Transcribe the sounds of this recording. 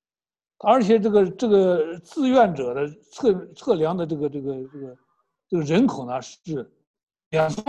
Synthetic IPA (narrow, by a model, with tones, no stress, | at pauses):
ə˞˧˥t͡ɕʰjɛ˨˩ʈ͡ʂɤ˥˩ɡə˩ʈ͡ʂɤ˥˩ɡə˩t͡sɹ̩˥˧ɥɛ˥˩nʈ͡ʂɤ˨˩d̪ə˦t͡sʰɤ˥˧t͡sʰɤ˥˩ljɑ˧˥ŋd̪ə˧ʈ͡ʂɤ˥˩ɡə˩ʈ͡ʂɤ˥˩ɡə˩ʈ͡ʂɤ˥˩ɡə˩ | ʈ͡ʂɤ˥˩ɡə˩ɻə˧˥nkʰo˨˩ʊnə˦ʂɻ̩˥˩ | ljɑ˨˩ŋs